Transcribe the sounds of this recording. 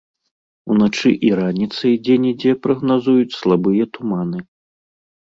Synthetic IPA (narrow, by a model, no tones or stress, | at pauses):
unat͡ʂɨʔiɾanʲit̪sɐjd͡zʲɛnʲid͡zʲɛpɾɐɣnazujut͡sʲslˠabɨjɐt̪umanɨ